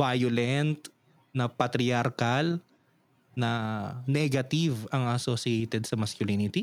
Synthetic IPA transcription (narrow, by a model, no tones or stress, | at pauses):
vajʊlɛnt̪̚ | nɐpɐt̪ɾɪaɾkal | nɐnɛɡɐt̪ivɐŋɐsosɪɛjt̪ɛd̪sɐmɐskjʊlinɪt̪i